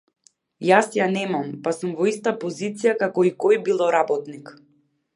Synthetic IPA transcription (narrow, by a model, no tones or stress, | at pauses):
jasjanɛmampasumvɔist̪apɔzit̪sijakakɔikɔjbilˠɔɾabɔt̪nik